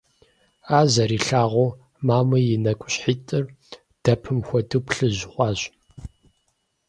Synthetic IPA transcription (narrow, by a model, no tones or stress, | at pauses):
aːzɐɾiːɬaːʁʷow | maːmɐjɪnɐkʷʼʊɕħiːtʼɨr | d̥ɐpʰɨmxʷɔdɨpɬɨʑχʷɑːɕ